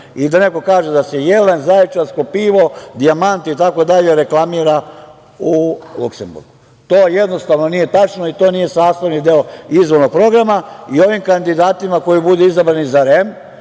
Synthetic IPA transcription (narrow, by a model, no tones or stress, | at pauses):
id̪aneko̞kaːʒed̪asejelenzaet͡ʃaskopiːʋo̞d̪iamant̪it̪ako̞d̪aʎe̞ɾe̞klˠamiːɾa | uluksembṵɾɡu | t̪o̞ːjed̪no̞st̪aʋno̞nije̞t̪at͡ʃnoit̪o̞ːnije̞saːst̪aʋnid̪eoizʋo̞ɾno̞ɡ̚pɾo̞ɡɾamaio̞ʋimkand̪id̪aːt̪imako̞jibud̪eizabɾanizaɾem